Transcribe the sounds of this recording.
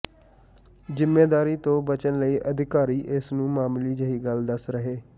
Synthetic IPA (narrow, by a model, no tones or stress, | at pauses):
zɪmːeːd̪aːɾiːt̪õːbət͡ʃənləiːʔəd̪ʱɪkaːɾiːʔɪsnũːmaːmliːd͡ʒəɦiːɡəld̪əsɾəɦeː